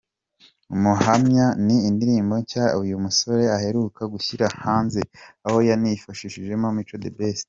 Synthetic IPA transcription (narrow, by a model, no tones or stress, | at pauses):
umuhamɲaniːndiɾiːmbo̞ɲcaujumuso̞ɾe̞ahe̞ɾukaɡuçiɾahaːnzeaho̞janifaʃiʃiʒe̞momit͡ʃo̞dḛbese̥